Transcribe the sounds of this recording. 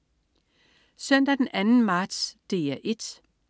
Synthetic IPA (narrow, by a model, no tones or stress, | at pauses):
sœn̰d̥æd̥enænn̩mɑ̈ːd̥sd̥e̝ːæʔe̝d̥